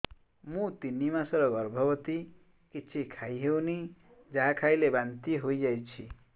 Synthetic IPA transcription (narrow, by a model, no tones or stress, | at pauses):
mũt̪inːimãsʌɾʌɡʌɾbʱʌbʌt̪i | kit͡sʰikʰajɦewni | d͡zakʰajlebant̪iɦojd͡ʒajt͡sʰi